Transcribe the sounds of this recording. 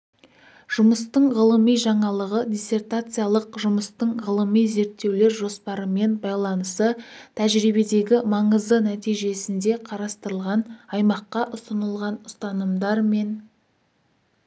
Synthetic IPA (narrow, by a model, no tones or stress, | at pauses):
ʒ̥ʊməst̪əɴʁəlˠəmijʒɑɴɑlˠəʁəd̪ʲise̞rt̪at̪sɨjalˠəqʒʊməst̪əɴʁəlˠəmijze̞ɾt̪ːe̞wle̞ɾʒo̞spɑɾəme̞nbɑjlˠɑnəsət̪ʰæʒɾibe̞d̪e̞ɡʲɪmɑɴəzd̪ənæt̪ijʒe̞sɪnd̪e̞qʰɑɾɑst̪əɾəlˠʁɑnɑjmɑqːɑʔʊsənəlˠʁɑnʊst̪ɑnəmd̪ɑɾme̞n